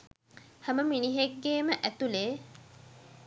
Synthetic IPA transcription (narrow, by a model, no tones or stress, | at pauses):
hæməminiɦeɡːeːməʔæt̪uleː